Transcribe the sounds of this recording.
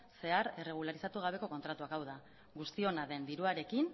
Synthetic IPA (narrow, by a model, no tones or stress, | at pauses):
se̞aɾere̞ɣ̞ulaɾisat̪uɣ̞aβ̞e̞ko̞ko̞nt̪ɾat̪uakawð̞a | ɣust̪io̞naðe̞nd̪iɾuaɾe̞kin